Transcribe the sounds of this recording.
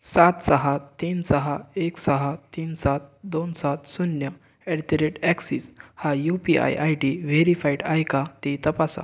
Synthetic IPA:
sat̪səɦat̪ːiːnsəɦaeksəɦat̪iːnsat̪̚d̪onsat̪sunjə | ɛɽʈ̪eɾeʈɛksiːshajupia̰jʔajɖiʋeɾifajɖajkat̪et̪əpasa̰

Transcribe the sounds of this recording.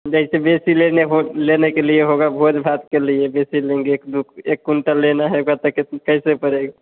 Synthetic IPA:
d͡ʒəɦɪsebesileneɦolenekelijeɦoɡabʱod͡ʒ̪bʱat̪kelijebesiliŋɡekd̪ukʰekːuɳʈalenaɦeoɡat̪əkekəɪsepəɾeɡ

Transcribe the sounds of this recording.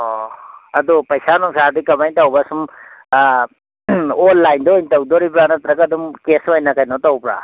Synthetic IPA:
ɔɐd̪upɐjsanɔŋsad̪ikamajntawbasum | olːajnd̪ojntawd̪ɔɾip̬ɾanat̪ɾakɐd̪umkesajnakajnɔt̪awpɾa̰

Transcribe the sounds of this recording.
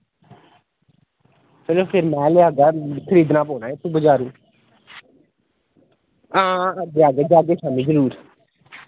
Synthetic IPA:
t͡ʃəloːpʰɪɾmɛ̃ːleaːɡaːkʰəɾiːd̪nãːpoːnãːet̪ʰubəd͡ʒaːɾũː | ãːɡeːaːɡeːd͡ʒaːɡeːʃaːmĩːzəɾuːɾ

